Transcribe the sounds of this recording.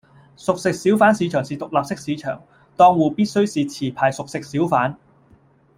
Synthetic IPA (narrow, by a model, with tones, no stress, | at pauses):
sʊ˨k̚sɪ˨k̚siː˨˥wfaː˨˥nsiː˨˧t͡ʃʰœː˨˩ŋsiː˨˩t̪ʊ˨k̚laː˨p̚sɪ˥k̚siː˨˧t͡ʃʰœ̰ː˨˩ŋ | t̪ɔː˧ŋwuː˨piː˥t̚sɵ˥ɥsiː˨t͡sʰiː˨˩pʰaː˨˩jsʊ˨k̚sɪ˨k̚siː˨˥wfaː˨˥n